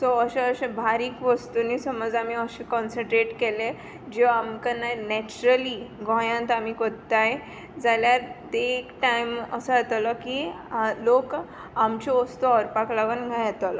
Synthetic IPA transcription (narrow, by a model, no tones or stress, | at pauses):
sɔəɕẽəɕẽbʱaɾiːkʋəst̪unisəmɔd͡zamiəɕikɔnsə̃ɳʈɾeʈkele | d͡ʑeʋamkanajnɛt͡ɕuɾəliɡʱɔ̃jãnt̪amikoɽt̪aje | d͡zaljaɾt̪eːkʈajməsəat̪alɔki | lok | amt͡ɕeɔst̪uɔɾpaklaʋənɡʱãjat̪al